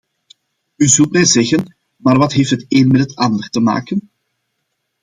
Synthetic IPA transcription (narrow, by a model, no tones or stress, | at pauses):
yzɵlˠtmɛjzɛɣən | maːrʋɑtɦeːftɦəteːnmɛtɦətɑndərtəma̰ːkən